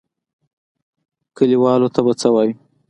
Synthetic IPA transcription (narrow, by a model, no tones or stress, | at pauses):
kəliwɑlot̪abat͡səwɑji